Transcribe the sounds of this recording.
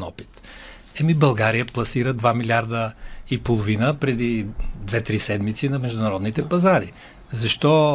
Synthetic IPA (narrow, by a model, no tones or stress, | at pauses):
nɔpi̥t̪ | ɛmibɐlˠɡaɾijəplˠɐsiɾəd̪vamilʲaɾd̪əipolˠovinəpɾɛd̪id̪vɛt̪ɾisɛd̪mit̪sinɐmɛʒd̪ʊnɐɾɔd̪nit̪ɛpɐzaɾi | zɐʃt̪ɔ